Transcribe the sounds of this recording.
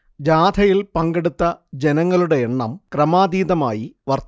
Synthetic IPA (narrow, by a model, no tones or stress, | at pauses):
d͡ʑaːd̪ʰʱɐjilpɐŋɡeɽut̪ːɐd͡ʑenɐŋːɐɭuɽe̞eɳːɐmkrɐmaːd̪iːðɐma̰ːjiʋɐrt̪